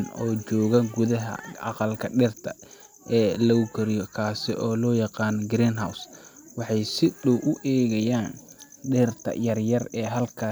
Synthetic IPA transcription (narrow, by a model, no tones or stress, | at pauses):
nɔːt͡ʃɔːɣɐɡʊðɐɦɐ̰ɑ̰qɑlkʰɐɖɛːrt̪ʰɐ | ʔɛːlɐʊɡʰɐɾɪjɔkʰaːsɪʔɔːlɔːjɑqɑːnɔɡɾiːnɦawswɑħɑjsɪɗɔwʔʊʔɛːɣɐjaːnɖɛːrt̪ʰɐ̰jɐrjɐrɛːɦɐlkʰaː